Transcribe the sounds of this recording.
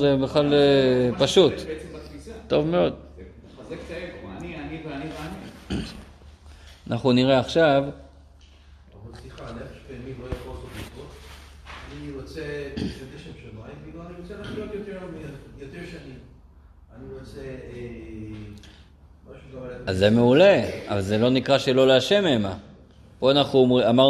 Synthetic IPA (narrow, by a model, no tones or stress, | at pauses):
zebeχlalpaʃut̪eembɐkfisatːo̞vmeo̞d̪ | azekt̪enianivanivani | anʔaχnuniʁeaχʃav | a̰valsliχalefʃpeːmimlojaχosotikot̪ | aniʁot͡seateʃemʃamaimkiloaniʁot͡selaːχiot̪jot̪eʁlomiejot̪eʁʃaanim | aniʁot͡see | maʃukavaledazzeme̞ule̞avalzelo̞nikʁaʃelo̞leaʃemema | poanaχumʁiamaʁ